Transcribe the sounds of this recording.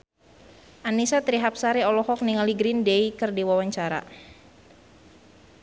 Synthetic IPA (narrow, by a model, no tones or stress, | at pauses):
ʔanisat̪ɾiɦap̚saɾiɔlɔhɔk̚niŋaliɡɾindeikərdiwawaɲt͡ʃaɾa̰